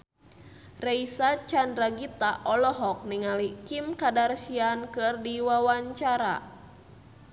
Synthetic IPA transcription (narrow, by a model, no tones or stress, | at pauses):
reisat͡ʃandɾaɡit̪aʔɔlɔɦɔk̚niŋalikimkadarsiankɨrdiwawaɲt͡ʃaɾa̰